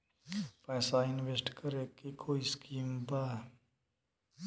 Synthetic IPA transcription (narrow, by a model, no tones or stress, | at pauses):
paːsaɪnʋesʈkəɾekikʰoːiskiːmbaː